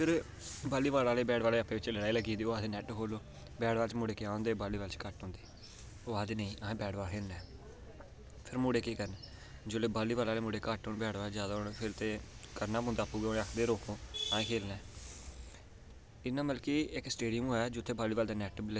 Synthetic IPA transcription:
pʰɪɾ | baːliːʋaːlaːleːbɛːɽʋaːleːəpːẽːʋɪt͡ʃləɽaːiːləɡiːnd̪iːoːaːd̪eːnɛːʈkʰoːloː | bɛːɽʋaːlt͡ʃmʊːɽeːkɪãːõnd̪eːbaːliːʋaːlt͡ʃkəʈɦõːnd̪iː | oːaːd̪eːnəĩːʔaːẽːbɛːɽʋaːlkʰeːlnɛː | pʰɪɾmuːɽeːkiːkəɾnɛː | d͡ʒoːleːbaːliːbaːlaːleːmuːɽeːkəʈɦʊnbɛːɽʋaːd͡ʒjaːd̪aːʊɽpʰɪɾt̪eː | kəɾnaːpõnd̪aːpuːɡeːoːneəkʰd̪eːɾoːkʰõːãːẽːkʰeːlnɛː | ɪnːãːməlkiːɪksʈeːɖijəmɦoːɛːd͡ʒoːt̪ʰːeːbaːliːʋaːld̪aːnɛːʈbilə

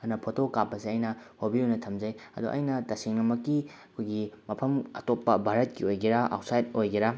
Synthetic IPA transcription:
ɐnɐpʰotokapːɐsiɐjnɐhobiujnɐtʰɐmd͡ʒɐjɐ̰duʔɐ̰jnɐtɐsiŋnɐmɐkːiɐkʰojɡimɐpʰɐmɐ̰topːɐbʱaɾɐt̚kiojɡiɾaʔa̰wtsajtojɡiɾa

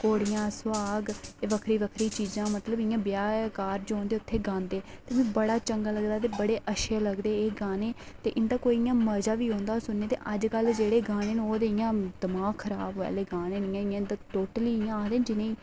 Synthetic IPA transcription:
koːɽɪjãːsʊaːɡeːʋəkʰɾiːʋəkʰɾiːt͡ʃiːd͡ʒãːmət̪ləbɪjãːbjaːkaːɾd͡ʒoõːnd̪eːʊt̪ʰːeːɡãːnd̪eːt̪eːʋẽːbəɽaːt͡ʃəŋɡaːləɡd̪aːt̪̬eːbəɽeːʔəʃeːləɡd̪eːeːɡaːneː | t̪eːʔɪnd̪aːkoːijãːməɾd͡ʒaːʋiːõːnd̪aːsʊnːeːt̪ḛːʔəd͡ʒkəld͡ʒeːɽeːɡaːneːnoːd̪eːɪjãːd̪əmaːɡkʰːəɾaːbɛ̰ːleːɡaːnẽːnɪjãːɪjãːnd̪aːʈoːʈəliːjãːd̪eːnd͡ʒɪnẽːiː

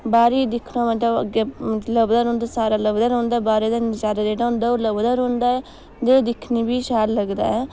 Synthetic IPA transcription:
baːɾiːd̪ɪkʰnamət̪ləbɡabmət̪ləbd̪aːɾõːnd̪asaːɾaːləbd̪aːɾõːnd̪aːbaːɾed̪and͡ʒaːɾad̪eːɖaːnd̪aːoləbd̪aːɾõːnd̪aːɛː | d̪eːd̪ɪkʰniːbiːʃaːɾləɡd̪a̰ːɛ

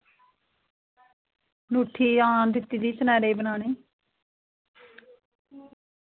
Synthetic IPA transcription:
nuːʈʰːiːaːnd̪ɪt̪ːiːd̪iːsənɛːɾeːbənaːneː

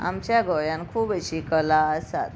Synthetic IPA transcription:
a̰mt͡ɕjaɡʱojãnkʰuːbeɕikəlaəsa̰t̪

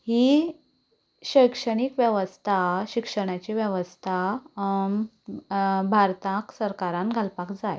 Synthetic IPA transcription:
hi | ɕəjkʂəɽ̃ikʋjɛʋəst̪ʰaɕikʂəɽ̃at͡ɕiʋjɛʋəst̪ʰa | bʱaɾt̪ãksəɾkaɾãnɡʱalpakd͡zaj

